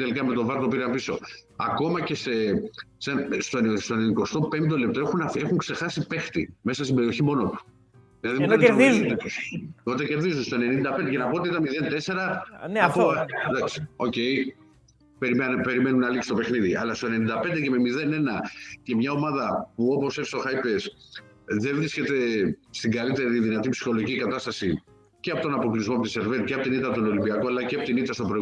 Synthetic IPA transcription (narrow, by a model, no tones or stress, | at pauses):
t̪e̞likɐme̞t̪o̞vɐɾt̪opiɾɐmpiso̞̰ɐ̰ko̞mɐce̞se̞sɐnst̪o̞st̪onniko̞st̪o̞pe̞nd̪olep̚t̪o̞exunɐfe̞xuŋkse̞xɐsipe̞xt̪ime̞sɐst̪imbeɾio̞çimo̞not̪u̥ | ðilɐðimt̪ɐnt̪it̪ust̪ot̪ece̞ɾðizunst̪oene̞nind̪ɐpnd̪ecenɐpo̞ot̪iit̪ɐnmiðe̞nt̪e̞se̞ɾɐnpod̪ɐksi̥o̞̰ce̞j | peɾipe̞ɾime̞nunɐliksu̥t̪o̞pexniðiɐ̰lɐst̪oene̞nĩnd̪ɐpend̪eceme̞miðe̞ne̞nɐce̞mɲɐo̞mɐðɐpuo̞po̞sefsoxɐipe̞s | ðevɾisce̞t̪e̞st̪iŋɡɐlit̪e̞ɾiðinɐt̪ipsi̥xo̞lo̞ɣicikɐt̪ɐst̪ɐsi | ceɐpo̞t̪o̞nɐpo̞klizmo̞put̪ise̞ɾvet̪ceɐpo̞t̪init̪ːɐt̪ono̞limbiɐkoɐlɐceɐpot̪init̪ːɐst̪obɾoi